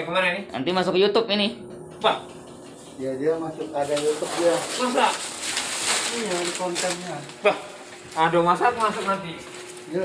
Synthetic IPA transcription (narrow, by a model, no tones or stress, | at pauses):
apəŋaɾanɪna̰nt̪imasʊkjut̪ʊpini | bah | ijadiamasʊkadajut̪ʊp̚diamasaʔ | ijadikɔnt̪ɛnɲabah | adomasak̪masʊk̚nant̪i | ja